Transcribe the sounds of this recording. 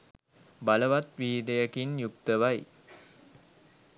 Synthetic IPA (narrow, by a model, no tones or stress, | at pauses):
baləʋat̪ʋiːd̪ejəkinjuk̚t̪əʋaj